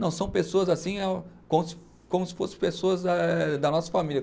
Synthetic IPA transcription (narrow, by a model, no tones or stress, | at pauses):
nɐ̃w̃sɐ̃w̃pesoɐzasĩakõmʊsɪ̥ | kõmʊsɪ̥fosɪ̥pesoɐzd̪ɐd̪ɐnɔsɐ̥familjɐ